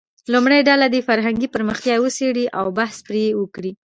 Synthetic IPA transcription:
lumɽajɖalad̪efaɾɦaŋɡipəɾməxt̪jɑjwəseɽiʔawbahspɾejewəkɽi

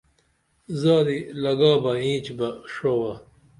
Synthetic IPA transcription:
zaːd̪ilɐɡaːbɐĩːt͡ɕbɐʂowɐ

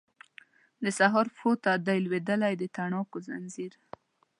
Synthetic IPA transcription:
d̪əsaɦɑɾfot̪ad̪ajlwed̪əlajd̪ət̪aɳɑkoza̰nziɾ

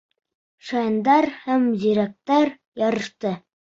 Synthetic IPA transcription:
ʃɑjnd̪ɑɾhæmziɾæk̚t̪æɾ | jɒɾɤ̆ʃt̪ɤ

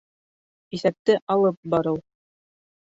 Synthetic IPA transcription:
iθæp̚t̪ɘʔɑlˠɤp̚bɑɾɤw

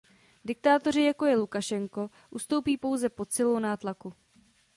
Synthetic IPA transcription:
dɪk̚t̪aːt̪o̞r̝ɪjako̞jɛlukaʃɛŋko̞ | ʔust̪o̞wpiːpo̞wzɛpo̞t̪t͡sɪlownaːt̪laku

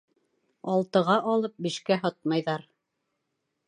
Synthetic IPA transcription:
ɑlˠt̪ɤ̆ʁɑʔɑlˠɤp̚biʃkæɦɑt̪̚mɑjðɑɾ

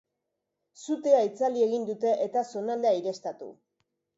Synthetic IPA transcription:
sut̪e̞ait͡salie̞ɣind̪ut̪e̞ʔet̪aso̞nald̪eaiɾe̞st̪at̪ṵ

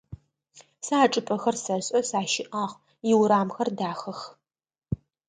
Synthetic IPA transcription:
saːʈ͡ʂʼɨpʼɐxɐrsɐɕʼɐsaːʃɪʔaːʁ | jɪwɾaːmxɐrdaːxɐx

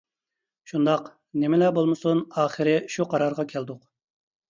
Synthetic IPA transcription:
ʃund̪ɑq | nɪmɪlɛbolˠmɨsunɑːχɨɾɪʃuqʰɑɾɑɾʁɑkʲʰɛld̪ʊq

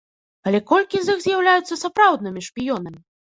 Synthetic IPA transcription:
ɐlʲɛkɔlʲkʲizɨxzʲjawlʲajut̪sːɐsapɾawd̪̚nɨmʲiʂpʲijɔnɐmʲi

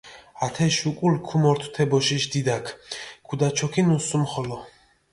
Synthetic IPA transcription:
at̪ʰɛʃukʼulkʰumɔɾt̪ʰw̥t̪ʰɛbɔʃiʃd̪id̪akʰkʰud̪at͡ʃʰɔkʰinusumχɔlɔ

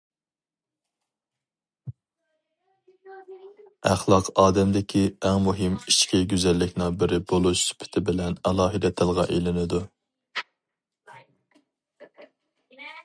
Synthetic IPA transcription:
æχlˠɑqʰɑːd̪ɛmd̪ɪkʲʰiɛŋmuɦɪmit͡ʃkʲiɡʲyzɛlːɪkʲnɪŋbɪɾɪbolˠuʃsy̥pʰɪ̥t̪ʰɪbɪlɛnɛlˠɑːɦɨd̪ɛt̪ʰːɪlˠʁɑ̰ʔelɪnɪd̪u

